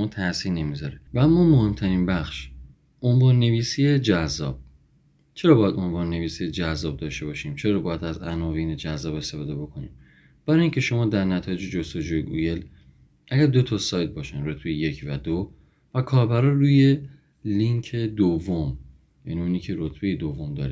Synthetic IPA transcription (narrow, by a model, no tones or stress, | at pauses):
mɒːt̪ʰæʔsiːnnːe̞mizɒɾevææmːɒːmohe̞mt̪ʰæɾinbæxʃ | ʔonvɒːnːe̞viːsijed͡ʒæzːɒ̰ːb̥̚ | t͡ʃʰe̞ɾɒːbɒːjæd̪o̞nvɒːnːe̞viːsijed͡ʒæzːɒːb̚d̪ɒːʃt̪e̞bɒːʃiːmt͡ʃʰe̞ɾɒːbɒːjæd̪æzænɒːviːne̞d͡ʒæzːɒːbe̞st̪e̞fɒːd̪e̞bo̞kʰonḭːm | b̥æɾɒːjiːŋcʰe̞ʃo̞mɒːd̪æɾnæt̪ʰɒːje̞d͡ʒed͡ʒost̪o̞d͡ʒuːjeɡṵe̞l | ʔæɡæɾd̪o̞t̪ʰɒsɒːjt̪̚bɒːʃænrot̪ʰbe̞jeje̞cʰvæd̪o | vækʰɒːɾbæɾɒːɾuːje̞ | liŋkʰed̪ovːom | jæ̰niːuniːcʰe̞ɾot̪ʰb̥ejed̪ovːo̞md̪ɒ̰ːɾe